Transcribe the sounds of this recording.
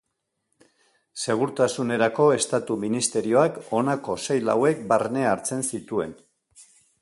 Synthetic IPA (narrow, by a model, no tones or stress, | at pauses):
se̞ɣ̞uɾt̪asune̞ɾako̞e̞st̪at̪uminist̪e̞ɾio̞ako̞nako̞se̞jla̰we̞k̚barne̞aɾt͡se̞nsit̪ue̞̰n